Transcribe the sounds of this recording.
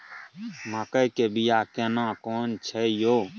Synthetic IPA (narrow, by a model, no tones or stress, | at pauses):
mãkəikeːbijaːkeːnãːkoːnt͡ʃʰɛːjoː